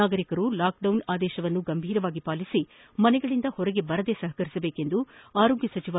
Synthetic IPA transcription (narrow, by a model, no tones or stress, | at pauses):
aːɡɐɾikɐɾulaːk̚ɖɐwnaːd̪ɛːʃɐʋɐnːuɡɐmbʱiːɾɐʋaːɡipaːlisi | mɐnɛɡɐɭind̪ɐhɔɾɐɡe̞bɐɾɐd̪esɐɦɐkɐɾisɐbeːke̞nd̪uaːɾo̞ːɡjɐsɐt͡ʃiʋa